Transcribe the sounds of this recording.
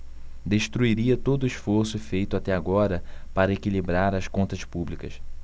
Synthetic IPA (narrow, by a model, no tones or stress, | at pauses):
d̪eʃt̪ɾuiɾiɐt̪od̪ʊiʃfoɾsʊfejt̪ʊat̪ɛaɡɔɾɐpaɾɐekilibɾaɾɐskõnt̪ɐʃpublikɐʃ